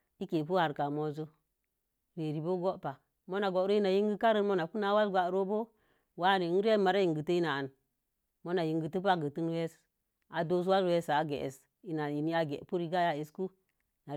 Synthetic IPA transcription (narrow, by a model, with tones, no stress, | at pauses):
i˦ke˨p̬u˦ha˨ɾka˨mo˨zo˦ | ɾe˨ɾi˨bo˦ɡo˦pa˨ | mo˦na˨ɡo˨˦ɾo˦i˦na˨ji˦ŋɡi˦ka˦ɾə˦nmo˦na˨ku˦na˨˦wa˦sɡʷa˨˦ɾo˦bo˦ | wa˦˨ne˨˦ɾe˦ma˨ɾa˦ji˨ŋɡə˨tə˦i˦na˨a˨n | mo˦na˨ji˨ŋɡi˨tə˦p̬a˦ɡə˨ti˦n˦we˦s | a˨do˦s̬u˦wa˦zwe˦sa˨ɡḛ˨ʔḛ˨s | i˨˦na˨i˨ni˦a˨ɡḛ˨pu˦ɾi˦˨ɡa˦ja˦e˨sku˦ | na˨